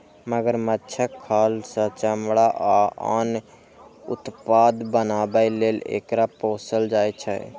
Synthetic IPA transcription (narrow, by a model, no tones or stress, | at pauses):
məɡəɾmətːt͡ʃʰəkʰːalsə̃t͡ʃəmɽaʔaa̰n | ṵt̪pad̪bənabəjlelḛkɾaposəld͡ʒajt͡ʃʰɛ̰